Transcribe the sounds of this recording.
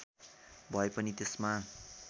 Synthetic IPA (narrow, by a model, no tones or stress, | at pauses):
bʱʌepʌnit̪esma